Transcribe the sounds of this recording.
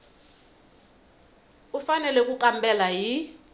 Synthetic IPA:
ufanɛlɛk̬ʼuk̬ʼambɛlaji

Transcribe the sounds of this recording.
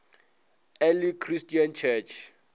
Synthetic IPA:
ɛlikʰristʼiant͡ʃʰɛt͡ʃʰ

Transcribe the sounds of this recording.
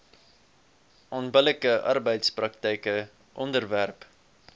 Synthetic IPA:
ʔɔnbələkəʔɐ̰rbəjtsprɐk̚təjkə | ʔɔndərværp

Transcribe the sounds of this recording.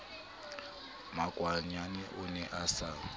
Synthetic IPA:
maɡ̥ʼʱwaɲanɛʔʊnɛʔasa

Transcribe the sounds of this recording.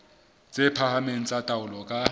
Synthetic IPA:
t͡sʼepʰahameŋ̩t͡sʼatʼaʊlɔkʼa

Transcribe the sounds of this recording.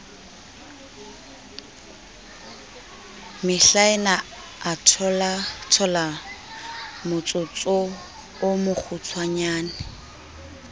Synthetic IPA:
mɪɬaɪna | atʰɔlatʰɔla | mʊt͡sʼʊt͡sʼo | ʊmʊk͡xʰut͡sʰwaɲaːnɪ

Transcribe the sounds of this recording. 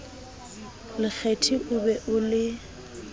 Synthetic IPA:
lɪk͡xʰetʰiʔʊbɛʔʊlɪ

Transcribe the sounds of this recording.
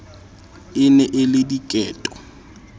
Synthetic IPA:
ɪnɛʔɪlɪdikʼɛːtʼɔ̥

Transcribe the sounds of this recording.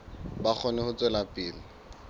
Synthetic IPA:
bak͡xʰɔnɪhʊt͡sʼwɛlapʼɪːlɪ

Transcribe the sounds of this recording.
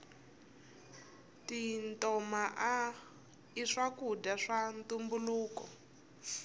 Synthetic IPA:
tintɔmaʔa | iʂakudaʂantumbuluːkɔ̰

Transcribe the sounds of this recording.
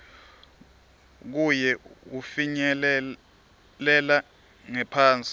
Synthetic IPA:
k̬ujɛufiɲɛ | lɛla | ŋɛpʰaːnt͡sʼi

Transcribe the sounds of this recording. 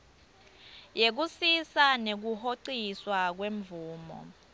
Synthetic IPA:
jek̬usisanek̬uhoǀiswak̬weɱvuːmɔ̰

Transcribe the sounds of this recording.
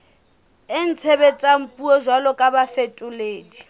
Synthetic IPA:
ɪn̩t͡sʰɛbɛt͡sʼam̩pʼuɔʒwalɔkʼabafetʼʊleːdi

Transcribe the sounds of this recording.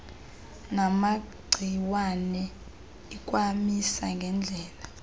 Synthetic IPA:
namaɡ͡ǀʱiwanɛ | ikʼwamisa̰ŋɡʱɛnd͡ɮʱɛːla

